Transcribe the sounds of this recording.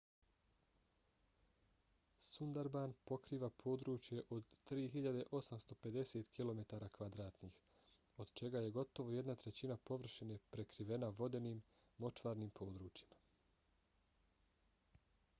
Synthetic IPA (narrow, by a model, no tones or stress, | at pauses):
sund̪aɾbanpo̞kɾiːʋapʰo̞ːd̪ɾuːt͡ʃje̞ʔo̞d̪t̪ɾiːɦiʎad̪e̞ʔo̞samst̪o̞pe̞d̪e̞set̪kilo̞me̞t̪aːɾaːkʋad̪ɾaːt̪nix | o̞d̪̥t͡ʃe̞ɡaje̞ɡo̞t̪o̞ʋo̞je̞d̪nat̪ɾe̞t͡ɕinapo̞ʋr̩ʃenepɾe̞kɾiʋe̞naʋo̞d̪e̞niːmː | o̞t͡ʃʋaːɾnimpʰo̞ːd̪ɾuːt͡ɕjima